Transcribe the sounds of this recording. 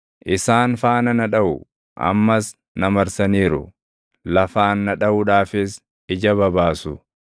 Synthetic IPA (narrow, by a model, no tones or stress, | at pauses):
ʔɪsaːnfaːnɐnɐᶑɐʔʊ | ʔɐ̰mːɐs | nɐmɐɾsɐniːɾʊ̰ | lɐfaːnːɐᶑɐʔʊᶑaːfɪs | ɪd͡ʒɐbɐbaːsʊ